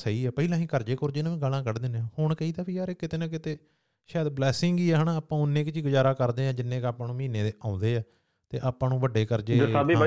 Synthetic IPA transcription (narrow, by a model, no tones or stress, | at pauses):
səiːɛːpəilãːɦĩːkəɾd͡ʒeːkoːɾd͡ʒɪnãːʋĩːɡəlãːkəɾd̪ɪnẽːhʊɳkəiːt̪aːbijaːɾeːkɪt̪eːnãːk̬ɪt̪eː | ʃɛːd̪blɛːsɪŋɡiːɛːɦənaːaːpãːʊnːẽːkt͡ʃiːɡʊd͡ʒaːɾaːkəɾd̪eːãːd͡ʒɪnːẽːkaːpãːnũːmiːneːd̪eːʔãːʊ̃nd̪eːɛː | t̪ḛːʔaːpãːnũːʋəɖeːkəɾd͡ʒeːaːbiː